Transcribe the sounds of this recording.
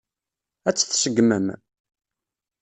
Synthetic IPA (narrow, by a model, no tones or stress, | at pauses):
æt͡sːθsəɡməm